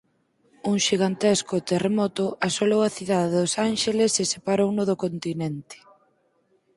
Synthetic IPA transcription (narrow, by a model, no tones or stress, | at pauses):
uŋʃiɣant̪eskʊt̪eremɔt̪ʊʔasolowaθiðaðɪðʊsanʃelesesepaɾownʊðʊkont̪inɛnt̪ɪ̥